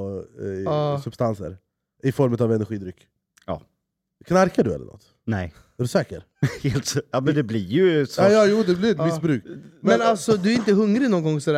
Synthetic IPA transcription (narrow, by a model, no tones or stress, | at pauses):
sɵbst̪ansə̰ɾ | ɪfɔɾmʉ̟t̪avɛnɛɾɧiːd̪ɾʏkː | jɑ̰ː | kʰnaɾkaɖɵɛ̰lːə̰ɳʔɔ̰t̪ː | nɛj | ɾʉsɛːkəɾ | helt̪ɑmɛd̪ɛblɪɾjʉsɑːjɑːjuːd̪ɛblɪɾɛt̪mɪsbɾʉ̟ːkmɛnnalt̪sɔd̪ɵæɾɪnt̪əɦɵŋɾɪnɔnɡɔŋːsɔd̪æ